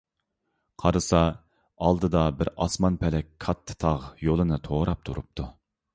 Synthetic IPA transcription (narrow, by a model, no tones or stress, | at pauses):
qʰɑɾɨsɑ | ɑlˠd̪ɨd̪ɑbɪɾɑsmɑnpʰɛlɛkʲkʰɑt̪ʰːɨ̥t̪ʰɑʁjolˠɨnɨt̪ʰoːɾɑp̚t̪ʰuɾṵp̚t̪ʰu